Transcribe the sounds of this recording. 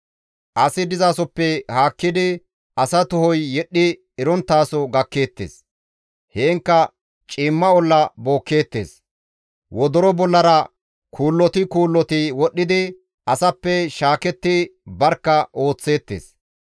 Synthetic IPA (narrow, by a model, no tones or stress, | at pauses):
ʔɐsɪd̪ɪzasɔpːɛhaːkːɪd̪ɪ | ʔɐsɐt̪ʊhɔjːɛɗːɪ | ɪɾɔnt̪ːaːsɔɡɐkːe̞ːt̪ːḛːs | heːŋkːɐ | t͡ʃʼiːmːɐɔlːɐbo̞ːkːe̞ːt̪ːe̞̰ːs | wɔd̪ɔɾɔbɔlːɐɾɐ | kʰuːlːɔt̪ɪkuːlːɔt̪ɪwɔɗːɪd̪ɪ | ʔɐsɐpːɛʃaːkɛt̪ːɪbɐɾkːɐʔo̞ːt͡sːe̞ːt̪ːḛːs